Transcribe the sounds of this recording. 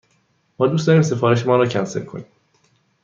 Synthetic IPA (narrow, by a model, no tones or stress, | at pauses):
mɒːd̪ust̪ɒːɾiːms̬e̞fɒːɾeʃ̬emɒːɾɒːcʰænse̞ɾkʰoniːm